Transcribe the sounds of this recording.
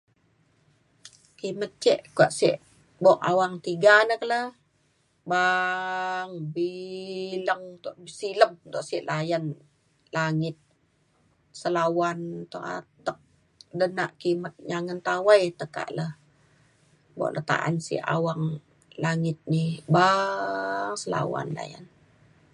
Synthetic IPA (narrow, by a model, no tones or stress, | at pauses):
kimət̪̚t͡ʃɛʔkua̰ʔsiʔ | bɔʔa̰waŋt̪iɡanəkələ | ba | ŋbiləŋt̪ɔʔsiləm̚t̪ɔʔsiʔlajan | laŋɪt̪̚ | səlawant̪ɔʔa̰t̪ək̚ | dənaʔkimət̪̚ɲaŋənt̪awajt̪əka̰ʔləh | bɔ̰ʔlʔət̪a̰ʔa̰nsḭʔa̰waŋ | laŋɪt̪̚nihba | ŋsəla̰wa̰nla̰ja̰n